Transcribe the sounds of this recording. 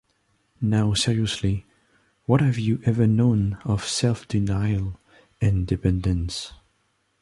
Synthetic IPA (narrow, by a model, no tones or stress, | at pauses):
naʊsɪɹiɨsli | wʌt̚hɨvjɨʔɛvə˞nõʊ̃nʌv̥sɛlˠfd̥ɨnaɪlˠ | ɪ̃ndɨpʰɛ̃ndɨ̃ns